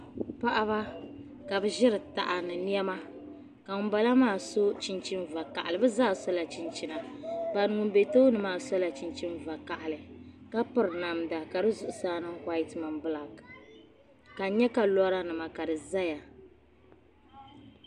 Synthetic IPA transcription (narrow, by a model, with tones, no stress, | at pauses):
pa˦ʔa˦βa˦ | ka˨bɨ˦ʒɪ˦ɾɨ˨ta˨ʔa˨nɨ˨ni˦ɛ˦ma˦ | ka˨ŋ˨˦ba˦la˦maː˦˨so˦t͡ʃi˦nt͡ʃi˦nva˨ka˨ʔa˨lɨ˨bɨ˦zaː˦˨sɔ˦la˨t͡ʃi˨nt͡ʃi˦na˨ba˨n˨ŋʊ˨m˦be˨to˦nɨ˨maː˦˨sɔ˦la˨t͡ʃi˨nt͡ʃi˦nva˨ka˨ʔa˨lɨ˨ka˦pɨ˦ɾna˨mda˨ka˨dɨ˦zʊ˦ʔʊ˦saː˦nɨ˦ŋ˦kʷa˦i˦tma˨mbɨ˦la˨k | ka˨ɲɛ˦ka˨lɔ˦ɾa˦nɨ˨ma˨ka˨dɨ˨za˦ja˨